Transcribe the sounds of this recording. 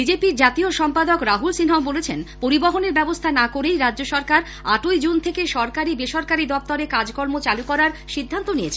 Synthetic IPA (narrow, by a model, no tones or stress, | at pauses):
bid͡ʑepiɾd͡ʑat̪ioʃɔmpad̪okɾaɦulsinɦaobolet͡ɕʰenpoɾiboɦoneɾbɛbost̪ʰanakoɾejɾadd͡ʑoʃɔɾkaɾ | aʈojd͡ʑunt̪ʰekeʃɔɾkaɾibeʃɔɾkaɾid̪ɔp̚t̪ɔɾekad͡ʑkɔɾmot͡ɕalukɔɾaɾʃid̪ʱːant̪oniet͡ɕʰe